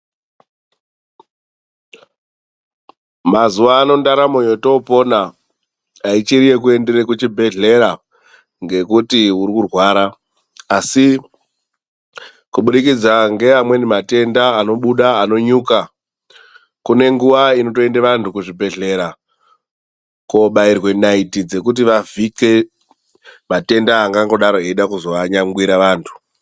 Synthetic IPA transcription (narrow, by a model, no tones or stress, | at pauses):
mazuʋaːno̞ndaɾamo̞jo̞to̞po̞naː | it͡ʃirije̞k̬ue̞ndeɾekut͡ʃibʱe̞ɮe̞ɾa | ŋɡe̞kutiuɾikurwaːɾaː | si | kuɓuɗikid͡zaŋɡe̞amwe̞nimate̞ndaːno̞ɓuɗaːno̞ɲuːka | kune̞ŋɡuʋaino̞to̞e̞ndeʋantʰukuʐibʱe̞ɮe̞ɾa | ko̞ɓairwe̞naitid͡ze̞kut̬iʋavike̞ | mate̞ndaːŋɡaŋɡo̞ɗaɾoeiɗakuzo̞ʋaɲaŋɡwiɾaʋaːntʰu̥